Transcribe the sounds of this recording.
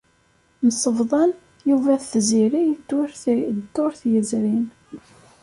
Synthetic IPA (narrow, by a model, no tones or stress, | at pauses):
nəsˤəvðˤɑn | juvæθθziɾijːɾt̪ːʊɾθjəzɾin